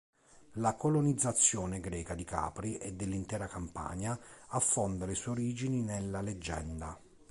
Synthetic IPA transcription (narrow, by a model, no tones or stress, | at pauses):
lakolonid̪zːat̪sːjɔːneɡɾɛːkad̪ika̰ːpɾiʔɛd̪ːelːint̪ɛːɾakampa̰ːɲaafːond̪aleswɛoɾiːd͡ʒininelːaled͡ʒːɛ̰nd̪a